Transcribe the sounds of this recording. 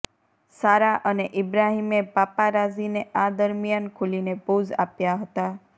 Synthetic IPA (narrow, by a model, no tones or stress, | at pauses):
saɾaʔəneʔɪbɾaɦimebapaɾad͡ʒinead̪əɾmjankʰulinepud͡ʒa̰pjaɦət̪a